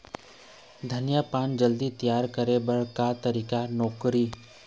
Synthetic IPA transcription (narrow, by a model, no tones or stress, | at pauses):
d̪ʱənjapaːnd͡ʒəld̪it̪ijaːɾkəɾebəɽ̤kat̪əɾiːkanɔːkɾiː